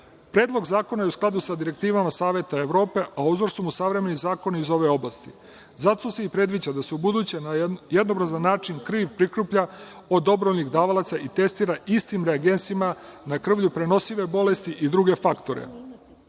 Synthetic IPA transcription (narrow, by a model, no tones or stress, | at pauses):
pɾe̞ːd̪lˠo̞ɡzaːko̞najeusklˠad̪usad̪iɾe̞k̚t̪iːʋamasaːʋe̞t̪aeʋɾo̞ːpe̞ʔaozoɾsomusaʋɾe̞me̞nizaːko̞nizo̞ʋe̞o̞blast̪i | zat̪ose̞ipɾe̞d̪ʋid͡ʑad̪aseubud̪uːt͡ɕe̞najed̪no̞bɾazanːaːt͡ʃinkɾiːʋpɾikɾupʎao̞d̪o̞bɾoʎʲniɣd̪aːʋalat̪saʔit̪e̞st̪iːɾaʔist̪imɾeaɡe̞nt̪simanakr̩ʋʎupɾe̞no̞siʋe̞bo̞lest̪iʔid̪ɾuɡe̞fakt̪o̞ɾḛ